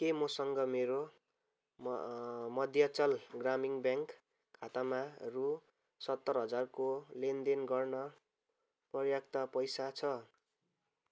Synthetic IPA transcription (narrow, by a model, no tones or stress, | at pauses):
kemʌsʌŋɡʌmeɾo | mʌd̪ʱjʌt͡sʌlɡramiŋbjaŋkʰː | at̪amaru | sʌt̪ːʌrɦʌd͡zarkolend̪enɡʌrnʌ | prʌrjak̚t̪apʌjsat͡sʰʌ